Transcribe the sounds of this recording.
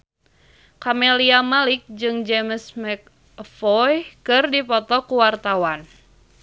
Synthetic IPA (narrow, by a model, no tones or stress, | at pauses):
kameliamalɪk̚d͡ʒɨŋd͡ʒemsmɛk̚ | fɔjkɨrdipɔt̪ɔkuwart̪awan